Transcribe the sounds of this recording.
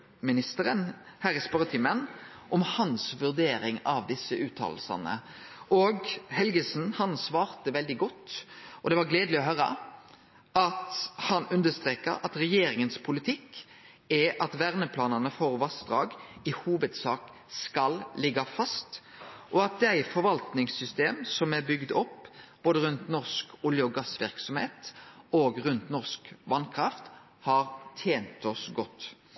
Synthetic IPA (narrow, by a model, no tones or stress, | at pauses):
mɪnɪst̪əɾən | hæːʁɪspœʁət̪ʰɪmən | ʔɔmhɑnsʋʉʁd̪eːɾɪŋɑʋd̪ɪsːəʔʉːt̪ʰːɑ̰ːlsɑ̰nə̰ | ʔɔɡhɛlɡəsn̩hɑnsʋɑːʁt̪əʋɛld̪ɪɡɔt̪ːɔd̪ɛʋɑɾɡleːd̪lɪɔɦœɾə̰ | ɑt̪hɑnʉnd̪əst̪ʁeːkə̰ɾɑt̪ɾɛjeːɾɪŋənspʰʊlɪt̪ʰɪkː | ɛʔɑt̪ʋæʁnəpʰlɑːnənəfoːʁʋɑsd̪ɾɑːɡɪhuːʋəd̪sɑːk | skɑllɪɡɑfɑst̪ʔɔɑt̪̚d̪æɪfɔɾʋɑlt̪nɪŋsːʏst̪eːmsɔmæbʏɡd̪ɔpːb̥oːd̪əɾʉnt̪nɔʁskʊljəɔɡɑsʋɪɾksɔmhḛːt̪oːɡʁʉnt̪nɔʁskʋɑnkʰɾɑft̪ | hɑɾt̪ʰeːnt̪ɔsɡɔt̪ː